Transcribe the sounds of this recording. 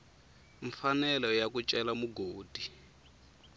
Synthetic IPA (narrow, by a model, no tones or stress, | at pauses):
ɱfanɛlɔjakut͡ʃʼɛlamuɡoːd̥ʱi